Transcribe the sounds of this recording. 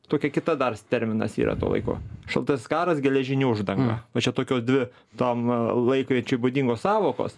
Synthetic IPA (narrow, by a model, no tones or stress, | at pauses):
t̪oːkʲɛkʲɪt̪ɐd̪ɐrst̪ʲɛɾʲmʲɪnɐ̰sḭːɾɐ̰t̪o̰ːlˠɐ̰ɪko̰ːʃɐ̰lˠt̪ɐsʲskɑːɾɐsɡʲɛlʲɛʒʲɪnʲuːʊʒd̪ɐŋɡɐ̰ʋɐt͡ʃʲɛt̪oːkʲoːsd̪ʲʋʲɪ | t̪omlˠɐɪkʋʲiɛt͡ʃʲʊɪbʊd̪ʲiːŋɡoːssɑːʋoːko̰ːs